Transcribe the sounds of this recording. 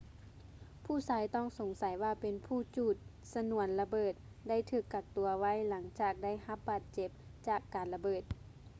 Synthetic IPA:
pʰuː˥˩saː˨˧˦jt̪ɔː˥˩˨ŋso˨˩˦ŋsa˨˦jwaː˧˩pe˨npʰuː˧˩t͡ɕuː˧˩t̪̚ | sa˧nu˧˩ənla˧bɤː˧˨˩t̪̚ | da˥˩˨jt̪ʰɯː˧˩kːa˧˩k̚t̪u˨˩ɐʋa˧˥˨jla˩˦ŋt͡ɕaː˨˩k̚da˥˩˨jha˧˦p̚baː˨˩t̪̚t͡ɕe˧˦p̚t͡ɕaː˨˩kːaː˨nla˧bɤː˧˩t̪̚

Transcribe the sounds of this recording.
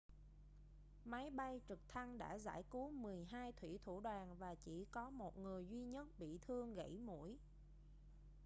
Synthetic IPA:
ma˨˦jɓa˧jt͡ɕɨ˨˩k̚t̪ʰa˧ŋɗa̰ː˧˥za̰ː˧˥jku˨˦mɨ˨˩əjɦaː˧jt̪ʰwḭ˧˩t̪ʰu˧˩ɗwaː˨˩nvaː˨˩t͡ɕḭ˧˩kɔ˨˦mo˨˩t̚ŋɨ˨˩əjzwi˧ɲə˦˥t̚ɓḭ˧˨t̪ʰɨ˧əŋɣə̰˧˥jmṵ˧˩˥əj

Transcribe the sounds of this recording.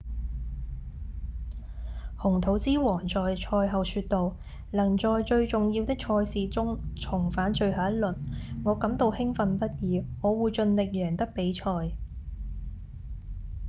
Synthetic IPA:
hʊ˨˩ŋt̪ʰo˨˥wt͡siː˥wɔː˨˩ŋt͡ʃɔː˨jt͡ʃʰɔː˧jɦɐ˨wsyː˧t̚t̪o˨w | lɐ˨˩ŋt͡ʃɔː˨jt͡ʃɵ˧ɥt͡ʃʊ˨ŋji˧wt̪ɪ˥k̚t͡ʃʰɔː˧jsiː˨t͡sʊ˥ŋt͡sʰʊ˨˩ŋfaː˨˥nt͡ʃɵ˨˧ɥhaː˨˥ɐ˥t̚lɵ˨t̚ŋɔː˨˧kɐ˨˥mt̪o˧whɪ˥ŋfɐ˨npɐ˥t̚jiː˨˧ŋɔː˨˧wuː˨jt͡ʃɵ˧nlɪ˨k̚jœː˨˩ŋt̪ɐ˥k̚pe˨˥jt͡ʃʰɔː˧j

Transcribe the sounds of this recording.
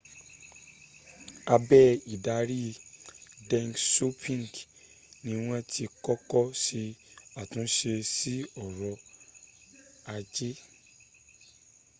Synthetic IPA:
a˧bɛ˦i˨da˨˦ɾi˦ | dɛ̃˧ŋkso˦pʰĩ˦ŋ˨ɡ | nĩ˧w̃ɔ̃˦ti˧kɔ˦kɔ˦se˧a˨tũ˨˦ʃe˧si˦ɔ˨ɾɔ˧ | a˧d͡ʒe˦

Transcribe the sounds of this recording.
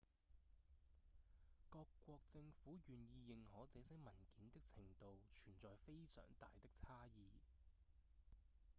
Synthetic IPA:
kɔː˧kːʷɔː˧k̚t͡sɪ˧ŋfuː˨˥jyː˨njiː˧jɪ˨ŋhɔː˨˥t͡sɛː˨˥sɐ˨˥jmɐ˨˩nkiː˨˥nt̪ɪ˥k̚t͡sʰɪ˨˩ŋt̪o˨˧wt͡ʃʰyː˨˩nt͡sɔː˨jfe˥jsœ̰ː˨˩ŋt̪a̰ː˨jt̪ɪ˥k̚t͡sʰaː˥jiː˨˧

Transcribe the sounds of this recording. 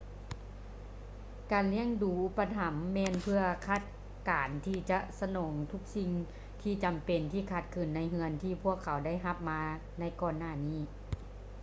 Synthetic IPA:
kaː˨˩nli˧˥˩əŋduː˨˩ʔu˧pːa˧t̪ʰa˨˦mːɛː˧˥npʰɯ˧ɐkʰa˧˥˩t̪̚ | kaː˨˩nt̪ʰiː˧˩t͡ɕa˧ʔsa˧nɔː˨˩˦ŋt̪ʰu˧˥k̚si˧˩ŋ | t̪ʰiː˧˩t͡ɕa˨˩mpe˨˩nt̪ʰiː˧˩kʰaː˧˩t̪̚kʰɯː˧˩nːa˧˥jɦɯ˧ənt̪ʰiː˧˩pʰu˥˩əkʰːa˩˦wda˥˩jɦa˧˥p̚maː˧ | na˧˥˩jkɔː˧˩nːaː˧˩niː˧˥˩

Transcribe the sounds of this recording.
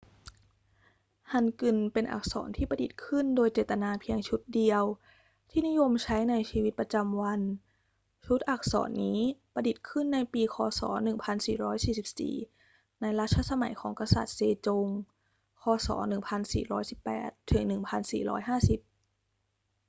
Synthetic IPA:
ha˧˩nkɯ˧˩npe˧nʔa̰˨˩k̚sɔ̰ː˩˦nt̪ʰiː˥˩pɾa˧di˨˩t̪̚kʰɯ˥˩ndoː˧jt͡ɕeː˨˩t̪ːa˧naː˧pʰi˧əŋt͡ɕʰu˦˥t̪̚di˧əw | t̪ʰiː˥˩ni˦˥jo˧mt͡ɕʰa˦˥jna˧jsiː˧wi˦˥t̪̚pɾa˧t͡ɕa˧mwa˧n | t͡ɕʰu˦˥t̪̚ʔa˨˩k̚sɔ̰ː˩˦nːiː˦˥pa˧di˨˩t̪̚kʰɯ˥˩nːa˧jpiː˧kʰɔː˧sɔ̰ː˩˦nɯ˨˩ŋpʰa˧nsiː˨˩ɾɔː˦˥jsiː˨˩si˨˩p̚sḭː˨˩ | na˧jɾa˦˥t̪̚ʰːa˧˥sa˧ma̰˩˦jkʰɔ̰ː˩˦ŋka˧sa̰˨˩t̪̚seː˧t͡ɕo˧ŋ | kʰɔː˧sɔ̰ː˩˦nɯ˨˩ŋpʰa˧nsḭː˨˩ɾɔː˦˥jsi˨˩pːɛ̰ː˨˩t̪ʰːɯ˩˦ŋnɯ˨˩ŋpʰa˧nsḭː˨˩ɾɔ̰ː˦˥jɦaː˥˩si˨˩p̚

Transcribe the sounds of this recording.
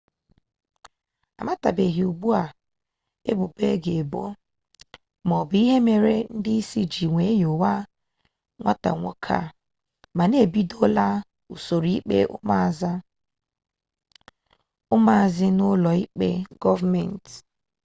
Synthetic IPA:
a̰˨ma˦ta̰˨be˨ɦi˨u˨ɡ͡bu˦a˨ | ḛ˦bʊ˨be˦ɡe˨bo̰˦ | mɔ˨bi˦ɦe˦me˨ɾe˦n̩˦dɪ˦i˦si˦d͡ʒi˨ŋʷe˨˦jo˨wa˦ | ŋʷa˦ta̰˨ŋʷo˦kʰa̰˦˨ | ma˨ne˦˨bi˦do˦la˦ | u˨so˨ɾi˨˦i˦k͡pḛ˦ʊ̰˦ma˦˨za˦ | ʊ˦ma˦a˨zɪ˦nʊ˦lɔ˨i˦k͡pḛ˦ɡɔ˦va˦mɛ˨n˨t

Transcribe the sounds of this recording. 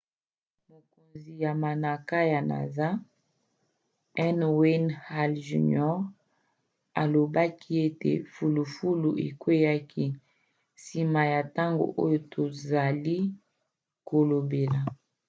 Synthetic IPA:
mo˨ko˨nzi˨ja˨ma˨na˨ka˦ja˨na̰˨za˦ | ɛ˦nwe˦nha˦lʒṵ˨nɔ˦ʁ | a̰˨lo˨ba˦kʰi˦e˦tḛ˨fu˨lu˨fu˦lu˨ʔḛ˨kwe˦ja˦ki˦ | si˨ma˨ja˨ta˦ŋɡo̰˨ʔo˦jo˦tʰo˨za˨li˦ | ko˨lo˨be˨la˨

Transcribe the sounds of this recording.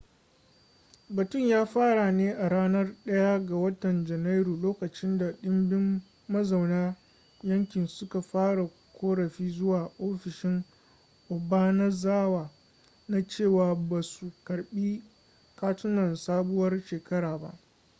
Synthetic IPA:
bɐ˨tʊ˦ɲjaː˦ɸaː˦ɽa˨neː˦ʔa˨ɽaː˦nɐ˦rɗɐ˦ja˦ɡa˨wɐ˦tɐ˨nd͡ʒɐ˨na˦jɾuː˨loː˦kɐ˨t͡ʃɪ˦nda˨ɗɪ˦mbɪ˦mː | ɐ˦za˨wnaː˦ | jɐ˦ŋkʲɪ˨nsʊ˦ka˨ɸaː˦ɽa˨ | kʷoː˦ɽɐ˨ɸiː˦zʊ˦waː˨ʔoː˦ɸɪ˨ʃɪ˦ŋ | ʔʊ˨baː˦nɐ˦zaː˦waː˨ | na˦t͡ʃeː˦˨waː˨ba˨su˨kɐ˨ɽɓiː˦ | kaː˦tʊ˦nɐ˨nsaː˦bʊ˦wɐ˦rʃeː˨kɐ˦ɽaː˨ba̰˦ʔ

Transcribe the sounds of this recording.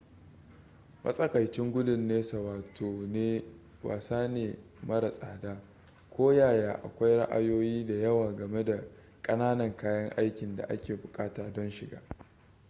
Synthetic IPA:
mʔɐ̰˦sʼɐ˦kɐ˨jt͡ʃɪ˦ŋɡʷʊ˦dʊ˨nːeː˦sɐ˨waː˨tʰoː˨neː˦ | wa̰ː˨saː˦neː˨mɐ˦ɽa˨sʼaː˨daː˦ | kʷoː˦jaː˦˨jaː˨ʔa̰˨kʷa˦jɽɐ̰˦ʔa̰˦joː˦jiː˦da˨jɐ˦waː˨ɡɐ˨me˦da˨ | kʼɐ˦naː˦nɐ˨ŋkaː˦jɐ˦ŋʔa˦jkʲɪ˨nda̰˨ʔa̰˦kʲeː˨bʊ˨kʼaː˦taː˨dɔ˦nʃɪ˨ɡa̰ː˦

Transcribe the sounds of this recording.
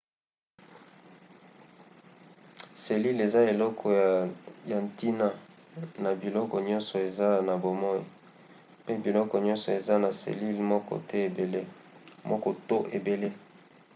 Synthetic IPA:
se˨li˦le˨za˦e˨lɔ˦kʰɔ˨ja˨nti˦na˦ | na˨bi˨lɔ˦kɔ˨ɲɔ˦nsɔ˨e˨za˦na˨bo˨mɔ˦i˨ | pe˦bi˨lɔ˦kɔ˨ɲɔ̃˦nsɔ˨e˨za˦na˨sḛ˨li˦lmɔ˦kɔ̰˦tɛ˦e˨be˨le˦ | mɔ˦kɔ˦to˦ʔe˨be˨le˦

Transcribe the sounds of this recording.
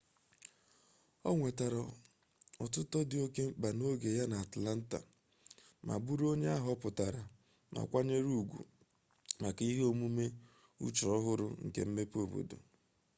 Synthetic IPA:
ɔ˦ŋʷe˨ta˨ɾɔ˨ | ɔ˨tʊ˦tɔ˦dɪ˨o˦ke˦ba˨no˦ɡe˨ja˦na˨a˨tla˦n̩˦ta̰˨ | ma̰˨bu˦ɾo˦ɲe˦a˦ɦɔ˦pʊ˨ta˨ɾa˨ | ma̰˨kʷa˦ɲe˦ɾu˦˨ɡʷṵ˨ | ma˨ki˦ɦe˦o˦mu˦me˦ | ṵ˦t͡ʃɔ˦ɦʊ˦ɾʊ̰˨ŋ̩˨ke˨m̩˦me˦po˨bo̰˨do̰˨

